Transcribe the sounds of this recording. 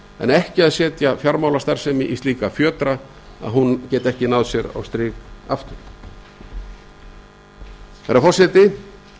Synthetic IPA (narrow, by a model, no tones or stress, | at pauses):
ɛ̰nɛhcɪaðsɛːt̪jafjaɾmaːwlast̪aɾ̥r̥sɛːmɪʔist̪iːkafjœːt̪ɾa | a̰ðɦuncɛːt̪ɛhcɪnawðsjɛɾa̰wst̪ɾɪːkaft̪ʏɾ | θaɾafɔr̥sɛt̪ɪ